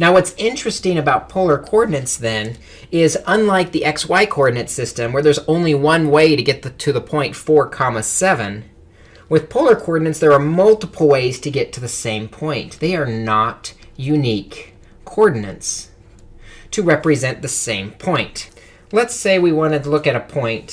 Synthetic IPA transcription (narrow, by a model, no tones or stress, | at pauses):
naʊwʌtsɪ̃nt͡ʃɹ̥ɨstɪ̃ŋɨbaʊt̚pʰoʊlˠə˞kʰɔɹdⁿn̩ɨ̃ntsðɨ̃n | ɪzə̃nlaɪk̚ðiʔɛkswaɪkʰɔɹdⁿnɨ̃ntsɪstɨ̃mwə˞ðə˞zõʊ̃nliwʌ̃nweɪɾɨɡɛt̪̚tʰɨðəpʰɔ̃ɪ̃ntfɔɹkʰɑməsɛvɨ̃n | wɨð̥pʰoʊlˠə˞kʰɔɹdⁿn̩ɨ̃ntsðə˞ːmʌlˠtəpʰl̩ˠweɪz̥tʰɨɡɛtʰɨðɨsẽɪ̃mpʰɔ̃ɪ̃nðeɪə˞nətjʉnikʰː | ɔɹdⁿn̩ɨ̰̃nts | tʰɨɹɛpɹɨzɛ̃nðɨsẽɪ̃mpʰɔ̃ɪ̃nt | lətseɪwiwɑ̃ñɨdtəlʊkɨɾɨpʰɔ̃ɪ̃nt